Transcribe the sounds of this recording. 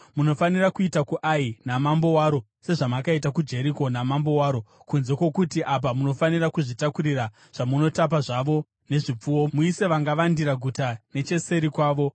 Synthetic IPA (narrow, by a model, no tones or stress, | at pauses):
muno̞fanirakuitakuʔainamambo̞waːɾo̞ | se̞ʐamakaitakud͡ʒe̞ɾiko̞namambo̞waːɾo̞kunze̞kwe̞kutiʔap̬amuno̞fanirakuʐitakuɾira | ʐ̥amuno̞tap̬aʐaʋo̞ | ne̞ʐip͡fuwo̞muise̞ʋaŋɡaʋandiɾaɡʱutane̞t͡ʃe̞se̞ɾikwaːʋo̞